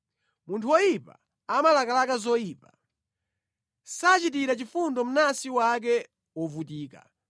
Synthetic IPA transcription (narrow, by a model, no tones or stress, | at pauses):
muntʰuwɔjipa̰ | amalakalakazɔjiːpa | sat͡ʃitiɾat͡ʃifundɔm̩nasiwak̬ɛ | wɔvutiːka̰